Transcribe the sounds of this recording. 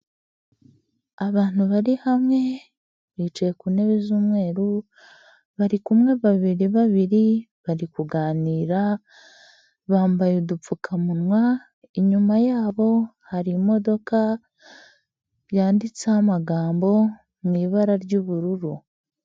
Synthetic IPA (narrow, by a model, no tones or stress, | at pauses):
aβaːn̥huβaɾihamŋe̞ | βit͡ʃejekune̞βizuːmŋe̞ːɾu | βaɾikumŋe̞βaβiɾiβaβiɾi | βaɾikuɡaːniːɾa | βaːmbajudup͡fukʰamunwa | iɲumajaːβo̞haɾimo̞do̞ka | βjaːndit͡sehamaɡaːmbo̞ | mŋiːβaɾaɾɟuːβuɾuɾu